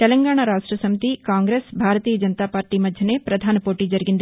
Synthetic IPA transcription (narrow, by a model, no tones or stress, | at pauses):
t̪ɛlɐŋɡaːɳ̃aɾaːʂʈɾɐsɐmit̪ikaːŋɡɾeːsbʱaːɾɐt̪iːjɐd͡ʒɐnt̪aːpaːɾʈimɐd̪ʱjɐneːpɾɐd̪ʱaːnɐpoːʈid͡ʒɐɾɡind̪